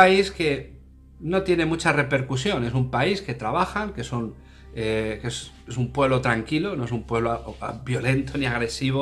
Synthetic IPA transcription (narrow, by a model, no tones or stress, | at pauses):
aiske̞ | no̞t̪je̞ne̞mut͡ʃare̞pe̞ɾkusjo̞ne̞s̬umpaiske̞t̪ɾaβ̞axaŋke̞son | ekes | esumpwe̞βlo̞t̪ɾaŋkilo̞no̞e̞sumpwe̞βlo̰bjo̞le̞nt̪o̞niaɣɾe̞siβ̞o